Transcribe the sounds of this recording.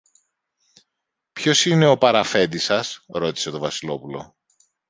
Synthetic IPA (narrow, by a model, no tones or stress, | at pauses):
pço̞sine̞o̞pɐɾɐfe̞nd̪isɐsɾo̞t̪i̥se̞t̪o̞vɐsilo̞pulo̞̰